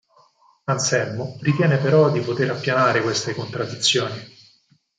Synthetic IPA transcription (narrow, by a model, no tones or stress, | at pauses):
ansɛlmoɾit̪jɛːnepeɾɔd̪ipot̪eɾapːjanaːɾekwest̪ekont̪ɾad̪ːit̪sːjoːni